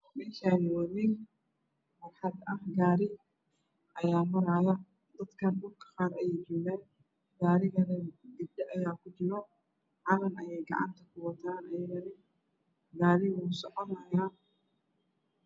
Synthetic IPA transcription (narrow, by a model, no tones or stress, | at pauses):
mɪnʃanɐwɐðɪ | wɐrħɑd̪ɐhɡaːɾɪ | ʔɐjaːmɐɾaːjɐ | d̪ɐd̪kʰɐnbʊrkʰɐ̥qɑːɾɐjɛjt͡ʃɔːɣɛːn | ɡaːɾɪɣɐnɐdɪdɛʔɐjaːkʰʊd͡ʒɪɾɔ | ʕɑlɐnɐjɛjɡɐ̰ʕɑ̰nt̪ʰɐkʰʊwɐt̪ʰaːnɐjɐɣɐɾɪ | ɡaːɾɪwuːsɔʕɔnɐjaː